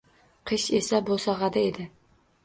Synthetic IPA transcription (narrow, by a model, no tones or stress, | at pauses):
qʰɨʃesabosɑʁɑd̪aed̪ɪ